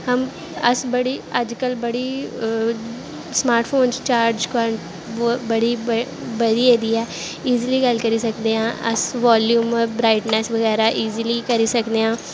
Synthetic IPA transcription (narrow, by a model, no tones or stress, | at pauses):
həm | əsbəɽiːəd͡ʒkəlbəɽiː | smaːɾʈpʰoːnst͡ʃaːɾd͡ʒkaːɾəɳʈː | bəɽiːbəɽiːed̪iːɛː | iːzliːɡəlkəɾiːsəkd̪eːɦãːʔə̰sʋaːljuːmbɾaːɪʈnɛːsʋəɣɛːɾaːʔiːzliːkəɾiːsəkd̪eːɦãː